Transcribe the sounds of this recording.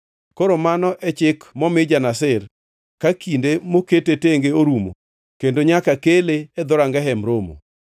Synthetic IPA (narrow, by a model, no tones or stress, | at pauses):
koɾomanɔʔɛt͡ʃɪkmɔmɪd͡ʒanasɪr | kakindemoketeteŋɡeoɾumo̰ | kendoɲakakeleɛd̪ʊɾaŋɡɛɦɛmɾomo̰